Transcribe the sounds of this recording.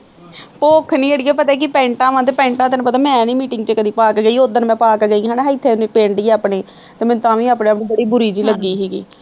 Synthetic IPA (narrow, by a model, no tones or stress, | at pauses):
poːkʰniːəɽiːɛːpət̪aːk̬ɪpɛ̃ːɳʈãːʋãːt̪̬eːpɛ̃ːɳʈãːt̪əːnũpət̪aːmɛ̃nĩːmiːʈɪŋɡt͡ʃeːkəd̪iːpaːkɡəiːod̪ənmɛ̃ːpaːkɡəiɦãːneɦɪt̪ʰːeːniːpẽːɳʈiːaːpɳeː | t̪eːmɛ̃ːt̪ãːʋĩːaːpneːpniːbəɽiːbʊɾiːd͡ʒiːləɡːiːɦɛːɡḭː